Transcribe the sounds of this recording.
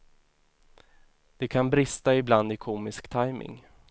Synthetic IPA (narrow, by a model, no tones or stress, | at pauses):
d̪̥ɛkʰanbɾɪst̪aɪbland̪ɪkʰuːmɪskt̪ʰajmɪ̰ŋ